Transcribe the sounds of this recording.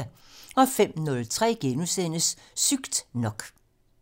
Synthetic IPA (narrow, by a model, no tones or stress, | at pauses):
ɒ̽fem̰nɔ̽lt͡sʰʁɛ̰ːɡ̥enusen̰əsːyɡ̥d̥nɒ̽ɡ̥